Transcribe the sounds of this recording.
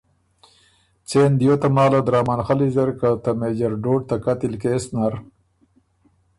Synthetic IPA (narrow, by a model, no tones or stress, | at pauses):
t͡seːnd̪jot̪amaːlad̪ɾaːmanxalizɐɾkat̪ameːd͡ʑɐɾɖoːʈ̚t̪akat̪ilkeːsnaɾ